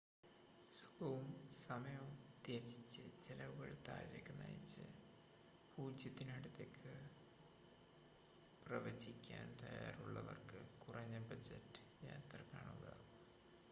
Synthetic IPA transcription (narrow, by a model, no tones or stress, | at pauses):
su̥kɐʋumsɐmɐjɐumd̪jesit͡ɕːɨt͡ɕelɐʋuɣɐɭt̪a̰ːɾɐkːɨna̰ːjḭt͡ɕːɨ̰ | puːd͡ʑjɐt̪ːinɐɽut̪ːekʰːɨ | prɐʋɐd͡ʑikʲːaːnt̪ɐjaːruɭːɐ̰ʋɐ̰rkɨkurɐɲːɐbɐd͡ʑɐtːɨ̥ | jaːt̪rɐkaːɳuɣɐ̰